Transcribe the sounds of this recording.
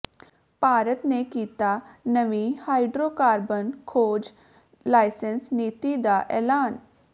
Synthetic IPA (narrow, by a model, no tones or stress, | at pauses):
paːɾət̪nekiːt̪aːnəʋihaːɪɖɾoːkaːɾbənkʰoːd͡ʒ | laːɪsənsniːt̪iːd̪aːʔɛːlaːn